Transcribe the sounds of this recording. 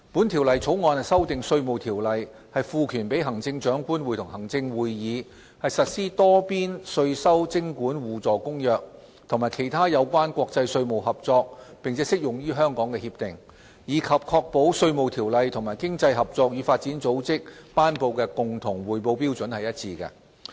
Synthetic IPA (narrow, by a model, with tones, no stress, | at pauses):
puː˨˥nt̪ʰi˨˩wlɐ˨jt͡sʰo˨˥wŋɔː˨˧nhɐ˨˩sɐ˥wt̪ɪ˨ŋsɵ˧ɥmo˨wt̪ʰiː˨˩wlɐ˨j | hɐ˨jfuː˨˧kʰyː˨˩npe˨˥jɦɐ˨˩ŋt͡sɪ˧ŋt͡ʃœː˨˥ŋkuː˥nwu˨˩t̪ʰʊ˨˩ŋhɐ˨˩ŋt͡sɪ˧ŋwuː˨˧jjiː˨˧ | hɐ˨jsɐ˨t̚siː˥t̪ɔː˥piː˥nsɵ˧ɥsɐ˥wt͡sɪ˥ŋkuː˨˥nwuː˨t͡sɔː˨˩kʊ˥ŋjœː˨˧k̚ | t̪ʰʊ˨˩ŋmaː˨˩jkʰe˨˩jt̪ʰaː˥jɐ˨˧wkʷaː˥nkʷɔː˧k̚t͡sɐ˧jsɵ˧ɥmo˨˩wɦɐ˨p̚t͡sɔː˧k̚pɪ˨ŋt͡sʰɛ˨˥sɪ˥k̚jʊ˨ŋɥyː˥ɦœː˥ŋkɔː˨˥ŋkɛː˧hi˧p̚t̪ɪ˨˩ŋ | jiː˨˧kʰɐ˨p̚kʰɔː˧k̚po˨˥wsɵ˧ɥmo˨wt̪ʰiː˨˩wlɐ˨jt̪ʰʊ˨˩ŋmaː˨˩jkɪ˥ŋt͡sɐ˧jɦɐ˨p̚t͡sɔː˧k̚jyː˨˧faː˧t̚t͡siː˨˥nt͡so˨˥wt͡sɪ˥k̚paː˥npo˧wkɛ˧kʊ˨ŋt̪ʰʊ˨˩ŋwuː˨˩jpo˧wpiː˥wt͡sɵ˨˥nhɐ˨jɐ˥t̚t͡sʰiː˧kɛ̰˧